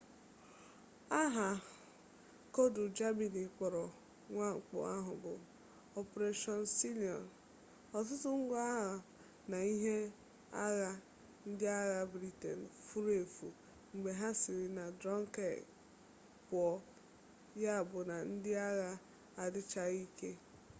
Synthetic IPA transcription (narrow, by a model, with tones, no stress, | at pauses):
a˦ɦa˨ | ko˦dʊ˨d͡ʒa˦mi˨ni˨k͡pɔ˨ɾɔ˨ | ŋʷa˦ŋ͡m̩˨k͡pɔ̰˨a˦ɦʊ˨bʊ̰˨ | ɔ˨pɾe˦ʃɔ˦nsi˦li˨ɔ̰˨n | ɔ˨tʊ˦tʊ˦ŋ̩˦ɡʷa˦a˦ɦa˨ | na˨i˦ɦe˦ | a̰˦ɣa˦ | n̩˦dɪ˦a˦ɣa˦bɾi˦tḛ˨n̩˨fu˦ɾe˨fu˨ | ŋ͡m̩˨ɡ͡be˨ɦa˦sɪ˨ɾɪ˨na˨dɾɔ˦ŋ˦ke˨ | pʊ˦˨ɔ˦ | ja˦a˨bʊ˨na˨n̩˦dɪ˦a˦ɣa˦ | a˨dɪ˦t͡ʃa˦ɣi˦ke˦